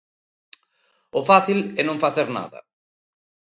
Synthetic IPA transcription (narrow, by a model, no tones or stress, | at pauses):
ʊfaθilɛnõŋfaθeɾna̰ðɐ̰